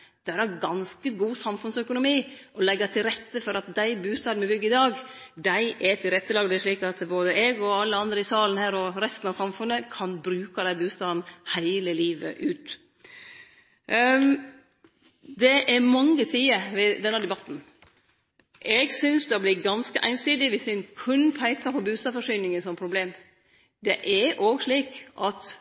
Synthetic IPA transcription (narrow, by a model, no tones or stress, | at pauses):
d̪̥æɾæɡɑnskəɡuːsɑmfʉnsœkʊnʊmiːʔɔlɛɡːɑt̪ʰɪlɾɛt̪ːəfɔɾɑt̪̚d̪æɪbʉːst̪ɑːd̪n̩ɛbʏɡːəɪd̪ɑːɡd̪æɪʔɛt̪ʰɪlɾɛt̪ːəlɑːɡd̪ɛæʂɭiːkɑt̪boːd̪əɛɡɔɑlːəɑnd̪ɾəɪsɑːln̩hæːɾɔɾɛst̪n̩ɑsɑmfʉnːəkʰɑnbɾʉːkɑd̪æɪbʉːst̪ɑːd̪n̩hæɪləliːʋə̰ʔʉːt̪ | d̪ɛʔæɾmɑŋːəsiːəʋɛd̪ɛnːæɾd̪ɛbɑt̪ːn̩ | ʔɛɡsʏnsd̪ɑblɪɡɑnskəʔæ̰ɪnsiːd̪ɪʋɪsɪnkʰʉnːpʰæɪkɑpʰɔbʉːst̪ɑːfɔʂyːnɪŋəsɔmpʰɾʊbleːm | d̪ɛʔɛɾʔoːɡʂɭiːkʔɑt̪